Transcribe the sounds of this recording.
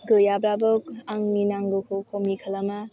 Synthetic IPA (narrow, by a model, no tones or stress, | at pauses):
ɡɯjabɾabɯkaŋninaŋɡɯkʰukʰomikʰalama